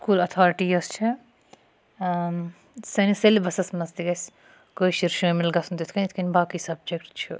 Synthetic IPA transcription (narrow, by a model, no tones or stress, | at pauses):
skuːlɐt̪ʰɔɾiʈiɐst͡ʃʰi | sɐniselibɐsɐsmɐst̪iɡɐs | kojʃiɾʃomelɡɐsʰunt̪et̪ʰkɐnet̪ʰkʰɐnbaːkisɐb̚d͡ʒekʈt͡ʃʰṵ